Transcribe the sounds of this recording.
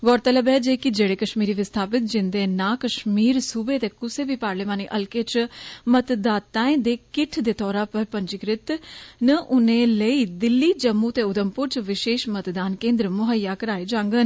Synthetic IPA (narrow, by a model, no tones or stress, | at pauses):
ɡɔːɾt̪ələbɛːd͡ʒeːkɪd͡ʒeːɽeːkəʃmiːɾiːʋɪst̪ʰaːpɪt̪̚d͡ʒɪnd̪eːnãːkəʃmiːɾsuːbeːt̪eːkʊseːbiːpaːɾleːmaːniːʔəlkeːt͡ʃmət̪d̪aːt̪ːaːẽːd̪eːkɪʈʰd̪eːt̪ʰɔːɾaːpəɾpəɲd͡ʒɪkɾɪt̪nəʔʊnẽːləiːd̪ɪlːiːd͡ʒəmːuːt̪eːʊd̪əmpʊɾt͡ʃʋɪʃeːʃmət̪d̪aːnkẽːnd̪ɾəmʊɦəjːaːkəɾaːeːd͡ʒãːŋɡən